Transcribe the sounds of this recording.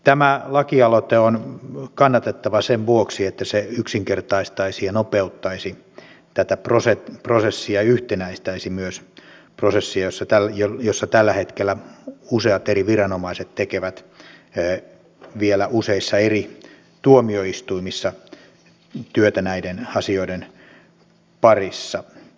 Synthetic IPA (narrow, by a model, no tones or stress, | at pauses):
t̪æmælɑkiɑlot̪eonkɑnːɑt̪et̪ːɑʋɑseʋʋuoksiet̪ːæseyksiŋkert̪ɑist̪ɑisijɑnopeut̪ːɑisi | t̪æt̪æproseprosesːiɑyht̪enæist̪æisimyøsprosesːiɑjosːɑt̪ælːjojosːɑt̪ælːæhet̪kelːˑæuseɑt̪eriʋirɑnomɑiset̪t̪ekeʋæt̪ː | ʋielæʔuseisːɑeri | t̪uomioist̪uimisːɑ | t̪yøt̪ænæidenɑsioiden | pɑrisːɑ